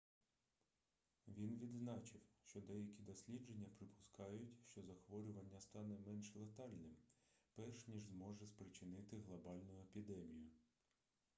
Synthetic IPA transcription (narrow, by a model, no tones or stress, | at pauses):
ʋʲinʋʲid̪znɑt͡ʃɪwʃt͡ʃɔd̪ɛjɐkʲid̪ɔsʲlʲid͡ʒe̞nʲːɐpɾɪpʊ̥skɑjʊtʲʃt͡ʃɔzɐxʋɔɾʲʊʋɐnʲːɐst̪ɑnɛmɛnʃlˠet̪ɑlʲnɪmpɛrʃnʲiʒzmɔʒɛspɾɪt͡ʃɪnɪt̪ɪɦlˠɐbɑlʲnʊjʊepʲid̪ɛmʲijʊ